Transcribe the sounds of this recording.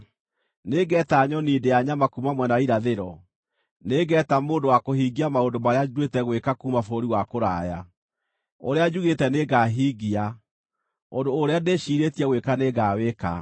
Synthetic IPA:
neɡɛtaːɲɔniːdejaɲamakumamwɛnaiɾaðeɾɔ | neɡɛtamoːndowakoɦiːɡiamaondomaɾeadwetɛɣwekakuːmafoɾiwakoɾaːja | oɾead͡ʒuɣetɛneɡaɦiːɣia | ondoːɾeaneɕiɾetiɛɣwekaneɣaweka̰

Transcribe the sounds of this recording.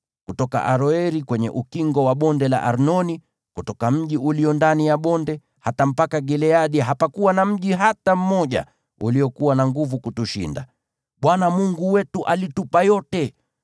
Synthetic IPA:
kutɔka̰ʔaɾɔɛɾikwɛɲɛ̰ʔukiŋɡɔwaɓɔndɛla̰ʔaɾnɔni | kutɔkam̩ʄiuliɔndanijaɓɔndɛ | hatam̩pakaɡɛlɛaɗiɦapakuwanam̩ʄiɦatam̩mɔʄa̰ | ṵlijɔkuwanaŋɡuvukutuʃḭnda̰ | ɓwanamuŋɡuwɛtuʔalitupajɔtɛ

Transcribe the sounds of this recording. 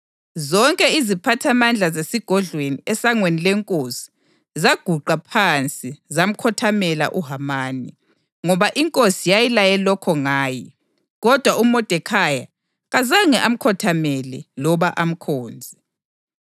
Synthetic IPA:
zɔŋkʼɛizipʰatʰamand͡ɮʱazesiɡ̥ʱɔɮweniɛsaŋwenilɛŋkʼosi̥ | zaɡ̥ʱuǃapʰant͡sʼizam̩kʰɔtʰamɛla̰ʔuɦamaːnḭ | ŋɔβaʔiŋkʼosijajilajɛlɔkʰɔŋaːji | ɣɔd̥ʱwaumɔd̥ʱɛkʰaja | ɣazaŋɛʔam̩kʰɔtʰamɛlɛlɔβaʔam̩kʰɔːnd͡zʱi

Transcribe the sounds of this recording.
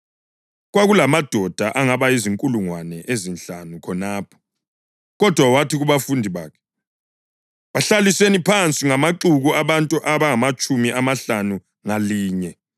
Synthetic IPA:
ɣwaɣulamad̥ʱɔd̥ʱaʔaŋaβaiziŋkʼuluŋwanɛʔezinɬanukʰɔnaːpʰɔ̥ | ɣɔd̥ʱwawatʰiɣuβafundʱiβa̰ːkʰɛ̥ | βaɬalisenipʰant͡sʼiŋamaǁuɣuaβantʼuʔaβaŋamat͡ʃʼumiʔamaɬanu | ŋaliːɲɛ

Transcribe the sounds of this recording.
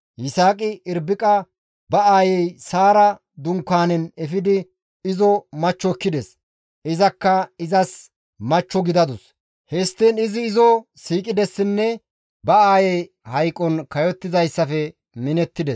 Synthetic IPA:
jɪsaːkʼɪʔɪɾbɪkʼɐ | bɐaːjɛjsaːɾɐ | d̪ʊŋkːaːnɛnɛfɪd̪ɪ | ɪzɔmɐt͡ʃːɔkːɪd̪ɛs | ʔɪzɐkːɐɪzɐs | mɐt͡ʃːɔɡɪd̪ɐd̪ʊs | hɛst̪ːinɪzɪːzɔsiːkʼɪd̪ɛsːɪnːɛ | bɐaːjɛj | hɐjkʼːɔnkɐjɔt̪ːɪzɐjsːɐfɛ | mɪnɛt̪ːɪd̪ɛs

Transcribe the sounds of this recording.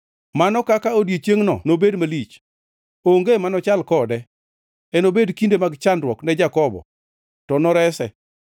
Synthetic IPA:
manɔkakaodjet͡ʃjeŋnɔ̰nobedmalit͡ʃ | oŋɡemanɔt͡ʃalkɔdɛ | ɛnobedkindemaɡt͡ʃandɾwɔknɛd͡ʒakɔbɔ̰ | tɔnɔɾɛsɛ

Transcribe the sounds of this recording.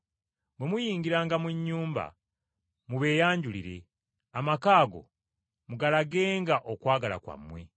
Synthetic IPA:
bwe̞mujiːŋɡiɾaːŋɡamuɲːuːmba̰ | muβe̞ːjaːɲɟulḭɾe̞̰ | amakaːɡo̞̰ | muɡalaɡe̞ːŋɡaʔokwaːɡala̰kwa̰mwe̞̰

